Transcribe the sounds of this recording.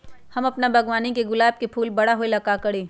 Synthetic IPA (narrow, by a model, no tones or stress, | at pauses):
hɐmɐpnabʱɐɡʋaːnikeɡʊlaːb̚kepʰuːlbɐɽaɦoelɐkakɐɽeː